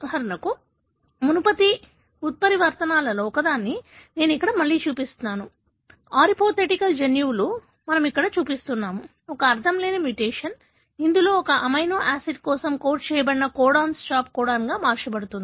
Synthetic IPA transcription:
ɦɐɾnɐku | munupɐt̪i | ut̪̚pɐɾiʋɐɾt̪ɐnaːlɐlɔːkɐd̪aːnːine̞ːnuikːɐɽɐmɐɭːiːt͡ʃuːpist̪unːaːnu | aːɾipoːt̪ʰeʈikɐld͡ʒenjuːlu | mɐnɐmikːɐɽɐt͡ʃuːpist̪unːaːmu | ɔkɐːɾt̪ʰɐmleːnɐmjuʈeːʂɐn | ind̪ulo̞ːɔkɐʔɐmɐjnoːʔaːsiɖ̚kɔːsɐmkoːɾʈt͡ʃɛːjɐbɐɽinɐkɔːɽaːnst͡ʃaːp̚kɔːɽaːnɡaːmaːɾt͡ʃɐbɐɽut̪und̪i

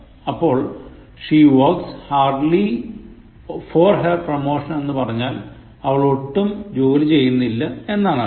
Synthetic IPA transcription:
ɐpːo̞ːɭ | ʂiːʋokshaːrɖli | forɦɐrpromo̞ːʂɐne̞nːɨpɐrɐɲːaːl | ɐʋɐɭo̞ʈːumd͡ʑo̞ːlit͡ɕe̞jːunːilːɐe̞nːaːɳa̰

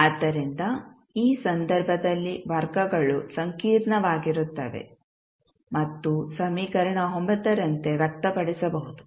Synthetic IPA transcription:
aːd̪ːɐɾind̪ɐ | iːsɐnd̪ɐɾbʱɐd̪ɐlːiʋɐɾɡɐɡɐɭusɐŋkiːɾɳɐʋaːɡiɾut̪ːɐʋe̞̰ | mɐt̪ːusɐmiːkɐɾɐɳɐɦombɐd̪ɐɾɐnt̪e̞ʋjɐk̚t̪ɐpɐɽisɐbɐɦud̪u

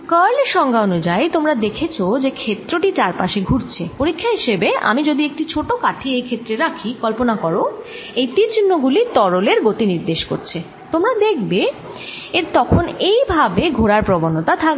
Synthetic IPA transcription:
kɔleʃɔŋɡʱaonud͡ʑajt̪omɾad̪ekʰet͡ɕʰod͡ʑekʰet̪ːɾoʈit͡ɕaɾpaʃeɡʱuɾt͡ɕʰepoɾikʰːaɦiʃebea̰mid͡ʑod̪iek̚ʈit͡ɕʰoʈokaʈʰiejkʰet̪ːɾeɾakʰikɔlponakɔɾo | ejt̪iɾt͡ɕinːoɡulit̪ɔɾoleɾɡot̪iniɾd̪eʃko̰ɾt͡ɕʰe | t̪omɾad̪ekʰbe | eɾt̪ɔkʰonejbʱabeɡʱoɾaɾpɾobonːot̪at̪ʰak

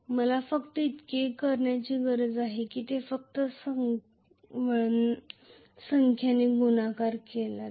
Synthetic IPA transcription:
məlafəkt̪əit̪kekəɾɳjat͡ɕiːɡəɾəd͡zaɦekiːt̪efək̚t̪əsə | ʋə | səŋkʰjaneɡunakaɾkela

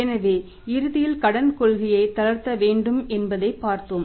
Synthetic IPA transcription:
ɛnɐʋeː | ɪɾɯðɪjɪlkɐɽɐnkɔɭɣɪjɐɪt̪ɐlɐɾt̪ːɐʋeːɳɖɯmɛnbɐðɐɪpːaːɾt̪om

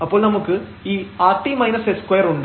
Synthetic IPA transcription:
ɐpːoːnɐmɐkːɯ | iːaːʈ̪ːimɐɪnɐseskʋɐjɐɾʊɳɖ

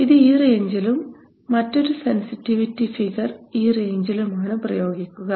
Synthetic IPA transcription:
iðɨiːreɲd͡ʑɐlumː | ɐtːo̞ɾusensitːiʋitːifiɣɐriːreɲd͡ʑilumaːɳɨprɐjo̞ːɡikʲːuɣɐ

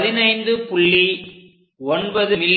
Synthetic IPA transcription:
ðɪnɐɪnd̪ɯpʊɭːi | ɔnbɐðɯmɪlː

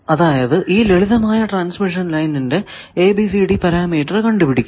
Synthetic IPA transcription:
ɐðaːjɐðɨʔiːleɭiðɐmaːjɐʈraːnsmiʂ̬ɐnlɐjninde̞ | eːbisiɽipɐɾaːmiːʈːɐrkɐɳɖupiɽikʲː

